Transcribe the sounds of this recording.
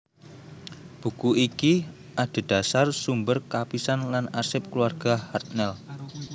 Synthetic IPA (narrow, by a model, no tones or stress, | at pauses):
b̥ṳkuiki | ʔad̪̥a̤d̥a̤sarsumbərkapisanlanasɪp̚kluarɡ̥ahart̪̚nɛl